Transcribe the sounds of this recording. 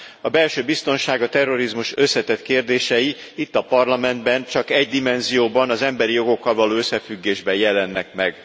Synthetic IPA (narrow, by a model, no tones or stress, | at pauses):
ɒbɛlʃøːbist̪o̞nʃaːɡɒt̪ɛrːo̞ɾizmuʃøsːɛt̪ɛt̪keːrd̪eːʃɛji | it̪ːɒpɒrlɒmɛnd̪bɛnt͡ʃɒkɛɟd̪imɛnzijoːbɒnɒzɛmbɛɾijo̞ɡo̞kːɒlvɒloːøsːɛfyɡːeːʒbɛjɛlɛnːɛk̚mɛɡ